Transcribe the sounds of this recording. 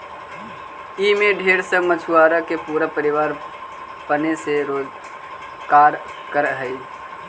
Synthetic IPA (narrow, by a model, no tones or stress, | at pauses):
imẽɖʱeːɾsəmət͡ʃʰuaːɾakepuːɾəpəɾɪʋaːɾ | pəneseɾoːd͡ʒ | kaːɾ | kəɾɦəi